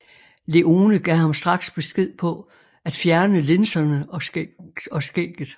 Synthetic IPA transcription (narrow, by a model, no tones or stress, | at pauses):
le̝ʔo̝ːnəɡ̥ɛ̰hɑ̈msd̥ʁɑ̈ɡ̥sb̥e̝sɡ̥e̝ð̞̰ˠpʰɒ̽ | æd̥fjæɐnəle̝nsɐnə | ɒ̽sɡ̥ḛɡ̥ð̩ˠ